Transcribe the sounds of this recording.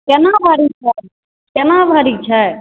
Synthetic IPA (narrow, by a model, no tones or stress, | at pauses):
kɛnãːbʱaːɾit͡ʃʰa | kɛnãːbʱaɾit͡ʃʰae